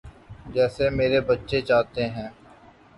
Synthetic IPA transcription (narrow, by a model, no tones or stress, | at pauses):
d͡ʒɛːsemeːɾebɐtːʃet͡ʃaːt̪eɦɛ̃ː